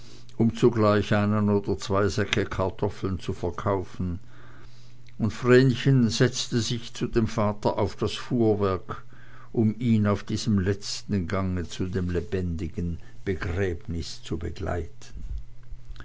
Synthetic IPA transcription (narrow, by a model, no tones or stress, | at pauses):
ʔʊmt͡suɡlaɪçʔaɪnənoːdɐt͡sv̥aɪzɛkʰəkʰaɐtʰɔfl̩nt͡sufɛɐkʰaʊfn̩ | ʊntfʁɛːnçənzɛt͡stəzɪçt͡sudeːmfaːtɐʔaʊfd̥asfuːɐvɛɐk | ʔʊmiːnaʊfd̥iːz̥əmlɛt͡stn̩ɡaŋət͡sudeːmlebɛndɪɡənb̥əɡʁɛːbnɪst͡subəɡ̥la̰ɪtʰən